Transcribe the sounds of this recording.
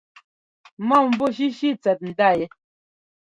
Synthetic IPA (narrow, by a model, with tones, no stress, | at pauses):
mɔ˦˨m̩˦bo˦˨ʃ̬i˦ʃi˦t͡sɛ˨t̚n̩˨da˦˨jɛ˨˦